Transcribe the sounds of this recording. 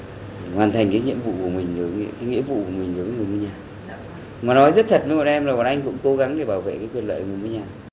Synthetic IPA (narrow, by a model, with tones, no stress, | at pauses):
hwaː˨˩nt̪ʰa˨˩jŋ̟kaː˨˦jŋḭ˧˨əmvṵ˧˨ku˧˩əmï˨˩ŋ̟z̰kaː˨˦ŋḭ˧˥əmvṵ˧˨ku˧˩əmï˨˩ŋ̟zə˨˦vŋɨ˨˩jmɨ˧˦ɲaː˨˩ | maː˨˩nɔ˨˦jzə˦˥t̚t̪ʰə˨˩t̚mə˨˦mɔ̰˧˨ʔɛ˧mlaː˨˩ɓaː˨˩nʔa˧jŋ̟kʊ̰˧˥ŋ͡mko˨˦ɣa˨˦ŋɗe˧˩ɓaː˧˩wvḛ˧˨kaː˨˦jkwnlwa̰ː˧˨˩ŋɨ˨˩mu˧˦ɲaː˨˩